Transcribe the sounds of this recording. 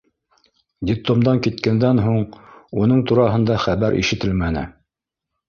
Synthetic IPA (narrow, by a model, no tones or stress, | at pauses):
d̪ʲɪplˠomd̪ɑŋkit̪kænd̪ænɦuɴunɤɴt̪uɾɑɦɤ̆nd̪ɑχæβæɾʔḭʃɘ̆t̪ɘlmænɘ̰